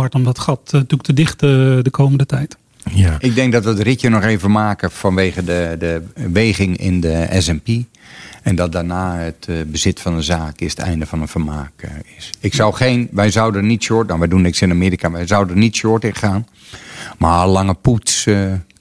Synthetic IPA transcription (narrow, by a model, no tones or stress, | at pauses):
ɑɹtɔmdɔtχɑttuk̚tədɪχtədəkʰowməndətɛjt | ʔɪɡ̚dɛŋk̚dɔtʋətrɪtjənɔχeːvəmaːkəfɑnʋeːɣədədəʋejɣɪŋɪ̰ndəɛ̰sɛmpi | ɛndɔt̚daɹnaːətbəzɪtfɑndəzaːkɪsə̥tɛ̰jndəvɔnənfərmaːkɪsɪksɔwχenʋɛjzɔwdənitsʊtnawʋɛjdunnɪksɪnamɪːɾikaʋɛjzawdənitsoːtɪχaːn | malɑŋəputs